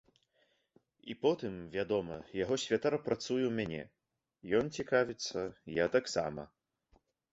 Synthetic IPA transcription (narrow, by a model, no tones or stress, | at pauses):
ipɔt̪ɨmvʲad̪ɔmɐjaɣɔsʲvʲat̪aɾɐpɾat̪sujɛwmʲanʲɛ̰ | jɔnt͡sʲikavʲit̪sːɐjat̪aksa̰mɐ̰